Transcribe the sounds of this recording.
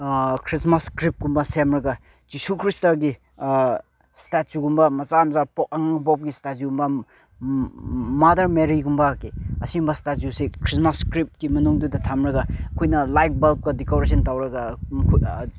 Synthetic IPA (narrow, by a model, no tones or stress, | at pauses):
kʰɾismaskɾip̚ɡumbɐsemɾɐɡa | d͡ʒisukʰɾistaɡi | statzuɡumbɐmɐzamzapɔk̚ɐŋaŋbɔp̚ɡistatziɡumbɐ | madɐɾmeɾiɡumbɐkiɐsimbɐstatzusikʰɾismaskɾip̚kimɐnuŋdudɐtʰamɾɐɡaɐkʰojnɐlajk̚bɐlp̚ɡɐdikobɾes̬ɐntawɾɐɡakʰ